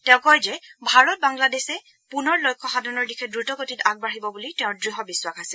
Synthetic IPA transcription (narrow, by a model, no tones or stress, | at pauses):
tɛʊ̃kɔjzɛbʱaɹɔt̚baŋladesɛ | punɔɹlojkʰːɔxadʱɔnɔɹdikʰɛdɹutɔkotitaɡ̚baɹibɔbulitɛʊ̃dɹiɦɔbiswakasɛ